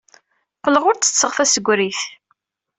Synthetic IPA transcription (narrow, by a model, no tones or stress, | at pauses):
qələʁʊɾt͡sːə̥t͡sːəʁfæsəɡʷɾiθ